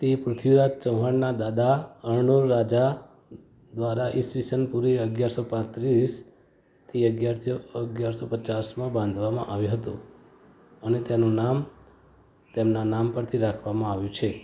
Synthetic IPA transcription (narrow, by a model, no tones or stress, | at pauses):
t̪epɾʊt̪ʰjiɾad͡ʒt͡ʃə̃wɦaɳnad̪ad̪aəɾɳoɾːad͡ʒa | d̪ʋaɾaʔisʋisənpuɾiəɡjaɾsopãt̪ɾis | t̪ʰiəɡjaɾt̪oəɡjaɾsopət͡ʃasmãbãnd̪ʱʋamã̰ʔaʋjũɦət̪ṵ̃ | ənet̪enũnam | t̪emnanampəɾt̪ʰiɾakʰʋamãaʋjũt͡ʃʰe